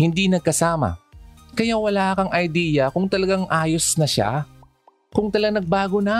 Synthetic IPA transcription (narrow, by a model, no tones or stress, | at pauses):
hɪnd̪inɐɡ̚kɐsaːmɐ̰kɐjawɐlaːkɐŋʔɐjd̪iːjɐkʊŋt̪ɐlɐɡaŋʔaːjosnɐʃa̰ | kʊŋt̪ɐlɐɡaŋnɐɡ̚baːɡonɐ